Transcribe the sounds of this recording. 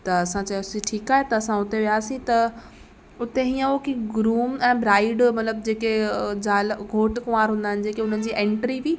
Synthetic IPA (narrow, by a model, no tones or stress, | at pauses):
t̪ɐɐsãt͡ɕɐjosiʈʰiːkaːɦet̪ɐɐsãʊt̪eʋijaːsĩt̪ɐ | ʊt̪eɦiːə̃okiɡɾuːmɛ̃ːbɾaːɪɖmɐt̪ləbd͡ʑeːked͡ʑaːlɡʱoːʈkʊ̃ʋaːɾɦũːnd̪aːɦɪnɪd͡ʑeːkeʊn̤ən̆d͡ʑiːʔɛ̃ːɳʈɾiʋiː